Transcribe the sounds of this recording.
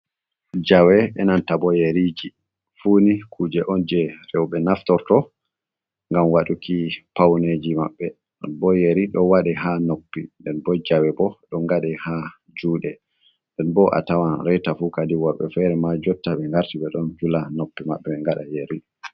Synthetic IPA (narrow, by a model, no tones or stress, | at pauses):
d͡ʒawɛɓɛnantabɔjeɾid͡ʒi | fuːnikʰuːd͡ʒɛʔɔnd͡ʒɛɾɛwɓɛnaftɔɾtɔ | ŋɡamwaɗukʰipawned͡ʒimaɓːɛ | bɔjeɾiɗɔwaɗɛhanopːindɛnbɔd͡ʒawɛbɔɗɔŋɡaɗɛha | d͡ʒuːɗɛ | ndɛnbɔʔa̰tawanɾɛjtafukadiwɔɓɛfɛɾɛmad͡ʒɔtːaɓɛŋɡaɾtiɓɛɗɔnd͡ʒulanopːimaɓːɛɓɛŋɡaɗa̰jeɾi